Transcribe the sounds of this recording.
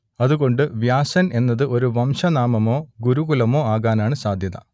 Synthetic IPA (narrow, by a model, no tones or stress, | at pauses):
ɐðuɣo̞ɳɖɨʋjaːsɐne̞nːɐðɨʔo̞ɾuʋɐmʂɐnaːmɐmo̞ːɡuɾuɣulɐmo̞ːaːɣaːnaːɳɨsaːd̪ʱjɐðɐ̰